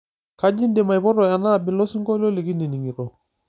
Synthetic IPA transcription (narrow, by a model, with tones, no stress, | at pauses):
ka˦d͡ʒi˦nde˨ma˨jpɔ˦ɾɔ˨a˨na˦˨bɪ˨lɔ˦si˦ŋɡɔ˦lɔ˦li˨ki˦ni˨ni˨ŋi˨ɾɔ˨